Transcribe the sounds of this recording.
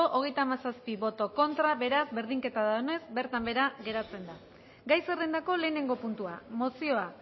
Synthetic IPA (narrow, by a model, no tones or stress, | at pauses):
oʔoɣ̞e̞jt̪aːmasaspiβo̞t̪o̞ko̞nt̪ɾaβe̞ɾazbe̞ɾðiŋke̞t̪aðaone̞zbe̞ɾt̪ambe̞ɾaɣe̞ɾat͡se̞nd̪a | ɡajserend̪ako̞le̞ːne̞ŋɡo̞punt̪ua̰mo̞sio̞a